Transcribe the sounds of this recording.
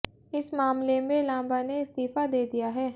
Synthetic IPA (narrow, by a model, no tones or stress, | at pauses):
ɪsmaːmleːbeːlãːmbaːneɪst̪iːpaːd̪eːd̪ijaːɦɛː